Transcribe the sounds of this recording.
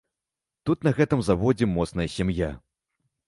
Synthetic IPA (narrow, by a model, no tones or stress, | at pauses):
t̪ut̪nɐɣɛt̪ɨmzavɔd͡zʲɛmɔt̪snɐjɐsʲamja̰